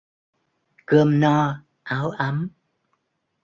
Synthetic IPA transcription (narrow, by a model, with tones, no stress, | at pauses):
kə˧mnɔ˧ | ʔaː˨˦wʔa˨˦m